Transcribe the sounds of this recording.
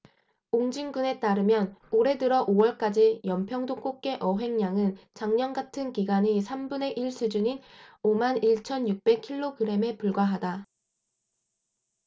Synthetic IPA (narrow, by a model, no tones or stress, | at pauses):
oŋd͡ʑiŋɡune̞t͈aɾɯmjʌnoɾe̞dɯɾʌʔowʌɭk͈ad͡ʑijʌmpʰjʌŋdok͈ok̚k͈e̞ʔʌɦe̞ŋɲaŋɯnt͡ɕaŋɲʌnɡatʰɯnkiɡaɲisʰambune̞ʔiɭs͈ud͡ʑuɲinomaniɭt͡ɕʰʌnjuk̚p͈e̞kʰiɭːoɡɯɾe̞me̞puɭɡwaɦada